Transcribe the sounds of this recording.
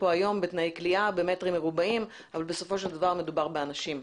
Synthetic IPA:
po̞ajo̞mbet̪najjkliabemet̪ʁimːeʁubaim | avalbe̞so̞fo̞ʃe̞ld̪avaʁme̞d̪ubaʁbeanaʃim

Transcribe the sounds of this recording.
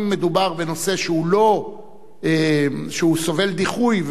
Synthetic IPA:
mːe̞d̪ubaʁbeno̞se̞ʃeulo̞ | eʃeuso̞ve̞ld̪iχujv

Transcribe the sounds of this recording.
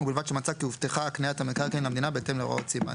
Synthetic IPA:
ubilvad̪ʃemat͡sakiuvt̪eχaːkniat̪amekaʁkenlamd̪inabeet̪emleʁo̰ot͡siba̰

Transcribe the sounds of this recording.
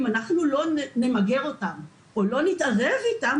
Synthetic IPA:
manaχnulo̞ne̞maɡe̞ʁo̞tam | olo̞nitaʁe̞vitam

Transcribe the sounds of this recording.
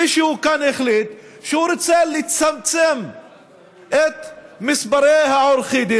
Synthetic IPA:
iʃehukaneχlit̪ | ʃehuɾot͡selit͡samt͡sem | ʔet̪misbaɾejhaoɾχid̪i

